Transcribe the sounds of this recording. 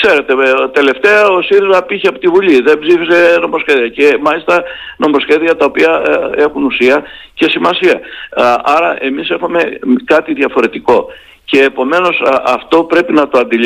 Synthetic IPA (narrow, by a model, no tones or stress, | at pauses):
kse̞ɾe̞t̪e̞t̪e̞le̞ft̪e̞ɐosiɾizmɐpiçeɐpot̪ivuliðembzifise̞no̞mo̞sçe̞ðiɐce̞mɐlist̪ɐno̞mo̞sçe̞ðiɐt̪ɐopiɐe̞xunusiɐce̞simɐsiɐ | ɐɾɐʔe̞mise̞xume̞kɐt̪iðiɐfo̞ɾe̞t̪iko̞ | ce̞ːpo̞me̞no̞sɐft̪o̞pɾe̞pinɐt̪o̞ɐnd̪il